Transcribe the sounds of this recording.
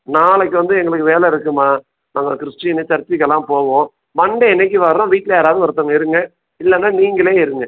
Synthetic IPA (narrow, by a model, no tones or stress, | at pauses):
naːlɛkːɯʋɐnd̪ɯɛŋɡɐɭɯkːɯʋeːlɛɪɾɯkːɯmaː | naːŋɡɐkɪɾɪʂʈːɪɪnɯt͡ʃɐɾt̪ːɪkːɐlːãːpoːɣõː | ʋɐɳɖɐɛnɛk̬ːiʋɐɾːõʋiːʈːɪlɐaːɾaːʋðɯʋɐɾɯt̪ːɐŋɐɪɾɯŋɡɐ | ɪlːɛnːaːniːŋɡɐɭeːɪɾɯŋɡɐ